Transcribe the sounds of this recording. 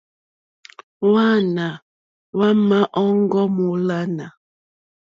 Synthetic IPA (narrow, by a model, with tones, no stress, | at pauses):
wa˦na˨ | wa˦ma˦ʔɔ˦ŋ˦ɡɔ˦mu˨la˦na˨